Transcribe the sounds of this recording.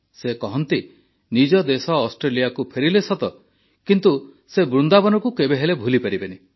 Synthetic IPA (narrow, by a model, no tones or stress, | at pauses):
sekɔɦɔnt̪i | nid͡ʒɔd̪esɔːsʈɾelijakupʰeɾilesɔt̪ɔ | kint̪u | sebɾund̪abɔnɔkukebeɦelebʱulipaɾibeni